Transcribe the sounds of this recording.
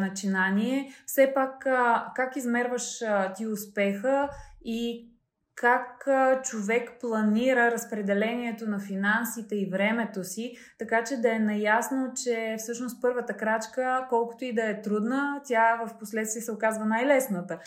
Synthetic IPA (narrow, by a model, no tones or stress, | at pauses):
nɐt͡ʃinaniɛfsɛpakːakizmɛɾvəʃt̪iʊspɛxəi | kʰakt͡ʃovɛkplˠɐniɾəɾɐspɾɛd̪ɛlɛniɛt̪onɐfinansit̪ɛivɾɛmɛt̪osi | t̪ɐkat͡ʃɛd̪ɐɛnɐjasnot͡ʃɛfsɤʃnost̪̚pɤɾvət̪əkɾat͡ʃkəkɔlˠkʊ̥t̪oid̪ɐɛt̪ɾud̪nət̪ʲavəfposlɛt̪st̪viɛsɛokazvənajlɛsnət̪ə